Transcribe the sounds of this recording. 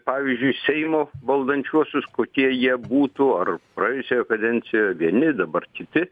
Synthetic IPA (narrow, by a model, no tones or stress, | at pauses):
pɑːʋʲizʲd͡ʒʲʊɪsʲɛɪmoːbɐlˠd̪ɐnʲt͡ʃʲuɔsʲʊskoːkʲiɛjiɛbuːt̪uɐrpɾɐjɛʊsʲeːjoːkɐd̪ʲɛnʲt͡ssʲɪjoːjɛʋʲiɛnʲɪd̪ɐbɐrkʲɪt̪ʲɪ